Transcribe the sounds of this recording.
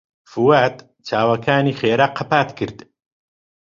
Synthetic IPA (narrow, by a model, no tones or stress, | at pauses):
fuwaːt̪ | t͡ʃʰaːwakʰaːniːχeːɾaqʰapaːt̪kɨɾd̪